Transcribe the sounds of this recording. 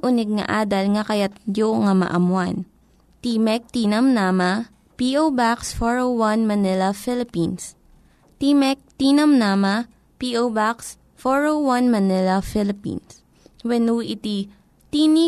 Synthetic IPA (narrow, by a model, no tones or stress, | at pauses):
ʔʊnɛɡ̚ŋɐ̰ʔaːd̪ɐlŋɐkɐjat̪̚d͡ʒoŋɐmɐ̰ʔɐmwan | t̪imɛk̚t̪iːnɐmnaːma | piʔowbaksfoɹowwanmɐnɪlɐfɪlɪpins | t̪imɛk̚t̪iːnɐmnaːma | piʔowbaks | foɹowwanmɐnɪlɐfɪlɪpḭns | wɛnuːʔɪt̪i | t̪ini